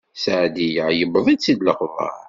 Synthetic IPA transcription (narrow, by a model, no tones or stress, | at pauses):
saʕd̪ijʕjəbðˤid̪t͡sːid̪ləqvɑ̰ɾ